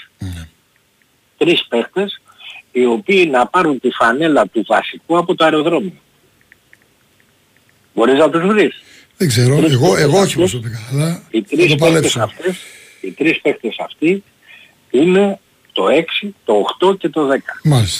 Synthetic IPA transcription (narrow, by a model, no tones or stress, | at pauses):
ne | t̪ɾispe̞xt̪e̞s | io̞piːnɐpɐɾunt̪ifɐne̞lɐt̪uvɐ̰sikuɐpo̞t̪oɐɾo̞ðɾo̞mio | bo̞ɾiznɐt̪uzvɾis | ðeɡzeɾoeɣoeɣooçipsot̪ikɐlɐit̪ɾisopleesɐft̪es | it̪ɾispe̞xt̪e̞sɐft̪i | ine̞ | t̪o̞e̞ksit̪o̞ːxt̪o̞ce̞t̪o̞ðe̞kɐ̥malis